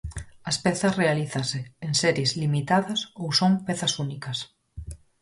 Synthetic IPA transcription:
ɐspeθɐsrealiθɐseːŋsɛɾjezlimit̪aðɐsowsoŋpeθɐsunikɐs

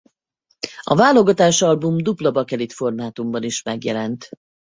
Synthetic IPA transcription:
ɒvaːlo̞ɡɒt̪aːʃɒlbumd̪uplɒbɒkɛlit̪fo̞rmaːt̪umbɒniʃmɛɡjɛlɛnt̪

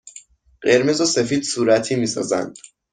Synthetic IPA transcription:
ɢe̞ɾmezose̞fiːd̪suːɾæt̪ʰiːmiːsɒ̰ːzæ̰nd̪

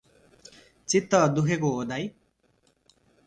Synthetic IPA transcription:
t͡sit̪ːʌd̪ukʰekoɦod̪aj

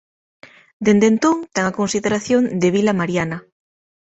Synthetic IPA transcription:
d̪end̪ent̪oŋt̪aŋakonsiðeɾaθjoŋd̪eβ̞ilamaɾjana

